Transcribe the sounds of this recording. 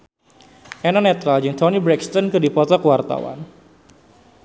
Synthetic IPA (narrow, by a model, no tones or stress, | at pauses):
ʔɛnɔnɛt̪ɾald͡ʒɨŋt̪ʰɔnibɾɛkst̪ɔnkɨdipɔt̪ɔkəwart̪a̰wa̰n